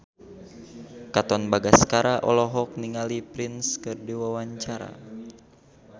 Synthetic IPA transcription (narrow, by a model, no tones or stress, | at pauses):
kat̪ɔnbaɡaskaɾaʔɔ̰lɔɦɔk̚niŋalipɾinskɨrdiwawaɲt͡ʃaɾa̰